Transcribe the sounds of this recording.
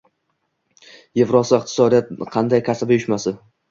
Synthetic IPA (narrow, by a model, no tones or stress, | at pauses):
jevɾɒsɪɪq̚t̪ʰɪ̥sɒd̪ijat̪̚qʰɑnd̪ajkʲʰasabjʊʃmasɪ